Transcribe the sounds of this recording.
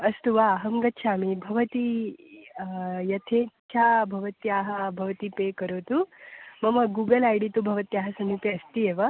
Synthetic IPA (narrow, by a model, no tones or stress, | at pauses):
ɐst̪uʋaɦɐmɡɐt̪ːt͡ʃʰaːmibʱɐʋɐt̪i | jɐt̪ʰet͡ɕʰabʱɐʋɐt̪jaɦɐbʱɐʋɐt̪ipekəɾot̪umɐmɐɡuːɡəlajɽit̪ubʱɐʋɐt̪iaɦɐsɐmipeɐst̪ieʋɐ